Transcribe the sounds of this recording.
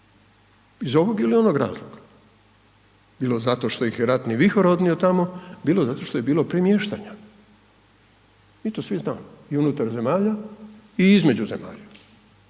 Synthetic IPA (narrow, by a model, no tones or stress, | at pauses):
izo̞ʋo̞ɡilio̞noɡɾa̰ːzlˠoɡ̥a | biːlˠo̞zat̪o̞ʃt̪o̞ixjeɾat̪niʋixoɾo̞d̪nio̞t̪amo̞biːlˠozat̪o̞ʃt̪o̞jebiːlo̞pɾimjeːʃt̪aɲa | it̪osʋizna̰ːmoiunut̪aɾze̞maːʎaiizme̞d͡ʑuze̞ma̰ːʎa